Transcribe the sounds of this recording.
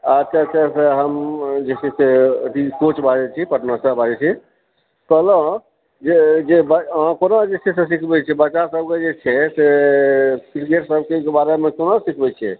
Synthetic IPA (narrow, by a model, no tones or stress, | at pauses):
ad͡ʒkakəɾseɦəmd͡ʒesʰɛset̪ikot͡ʃbad͡ʒɛt͡ʃʰipəʈnasəbʱad͡ʒɛt͡ʃʰi | tələ̃ | d͡ʒed͡ʒebəãkonad͡ʒet͡ʃʰɛsẽsikʰbɛt͡ʃʰɛbət͡ʃːasəb̚ked͡ʒet͡ʃʰɛse | kɾiɡeʈsəbkekebaɾemekonasikʰbɛt͡ʃʰɛ̰